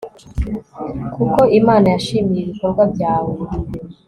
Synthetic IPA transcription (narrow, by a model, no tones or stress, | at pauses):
kukoʔimaːnajaʃiːmijeβikoɾɡwabjaːwe